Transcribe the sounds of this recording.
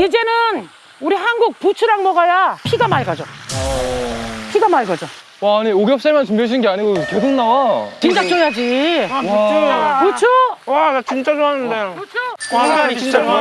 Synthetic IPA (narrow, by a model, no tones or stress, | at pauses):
id͡ʑe̞nɯn | uɾiɦanɡuk̚put͡ɕʰuɾaŋmʌɡajapʰiɡamaɭɡad͡ʑo | pʰiɡamaɭɡʌd͡ʑo | waːɲioɡjʌp̚s͈aɭmant͡ɕumbjaɕʰinɯnɡeaɲiɡokedʰɯŋnawat͡ɕint͡ɕakt͡ɕ͈ojad͡ʑi | kɾʌt͡ɕʰowaat͡ɕint͡ɕ͈ad͡ʑoanɯndet͡ɕʰoat͡ɕa